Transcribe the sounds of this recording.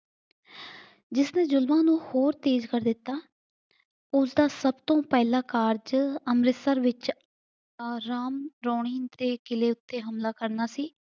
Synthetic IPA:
d͡ʒɪsnẽːzʊlmãːnũːhoːɾt̪eːd͡ʒkəɾd̪ɪt̪ːaː | ʊsd̪aːsəbt̪õːpɛːlaːkaːɾd͡ʒəmɾɪsəɾʋɪt͡ʃː | ɾaːmɾoːɳ̃ɪːnt̪eːkɪleːʊt̪ːeːɦəmlaːkəɾnaːsiː

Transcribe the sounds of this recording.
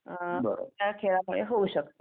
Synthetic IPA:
ãbəɾo̰t̪jakʰeɭamuɭeɦouɕəkt̪o

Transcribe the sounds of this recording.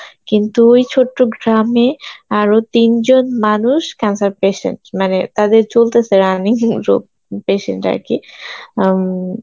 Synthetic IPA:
kint̪uojt͡ɕʰoʈːoɡɾameaɾot̪ind͡ʑonmanuʃkɛnsaɾpeʃḛɳʈmanet̪ad̪eɾt͡ɕolt̪esʰeɾaniŋɾo̰p̚ | peʃḛɳʈa̰ɾki

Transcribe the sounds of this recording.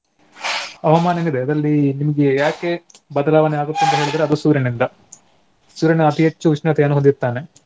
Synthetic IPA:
ɐʋɐmaːnɐnid̪eɐd̪ɾɐlːinimɐɡejaːkebɐd̪ɐlaːʋɐneaːɡut̪ːent̪ɐɦeːɭid̪ɐɾeɐd̪usuːɾɐnind̪ɐ | suːɾɐneɐt̪ʰiɦet͡ʃːuʋiʂnɐt̪eɐnuɦɐd̪it̪ːaːne

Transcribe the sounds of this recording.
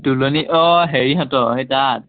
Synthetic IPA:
duloniʔɔɦeɹiɦatɔɦetat̚

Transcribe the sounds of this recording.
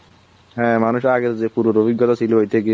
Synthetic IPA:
ɦɛ̃manuʃaɡeɾzepuɾoɾobiɡːɔt̪asʰilɦojt̪ʰeke

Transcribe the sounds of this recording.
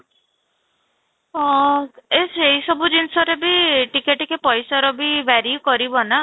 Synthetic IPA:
esʰeɦisɔbud͡ʒinsɔɾebiʈikeʈkepɔjsaɾɔbibaɾjukɔɾibɔna

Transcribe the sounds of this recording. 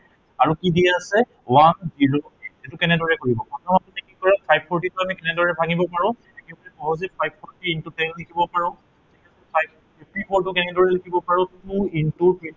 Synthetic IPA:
aɹukidijaasɛ | wanziɹoɛtʊkɛnɛdɔɹɛkoɹibɔpɹɔtʰɔmatutɛkikɔɹɛpʰajb̚pʰɔɹtitɔamɛkɛnɛdɔɹɛbʱaɡibɔpaɹɔ̃ | ɛkɛbaɹɛpɔɦɔzɛpʰajb̚pʰɔɹtiintutɛllikʰibɔpaɹɔ̃ | tikɛsɔpʰajb̚ʰ | iftipʰɔɹtʊkɛnɛdɔɹɛlikʰibɔpaɹɔ̃tuintuɹpʰi

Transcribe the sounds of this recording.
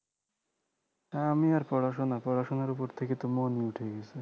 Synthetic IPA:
aamiaɾpɾɔɽaʃ̬onapɾɔɽaʃonaɾupoɾt̪ʰeket̪omoniuʈʰeɡɛsʰi

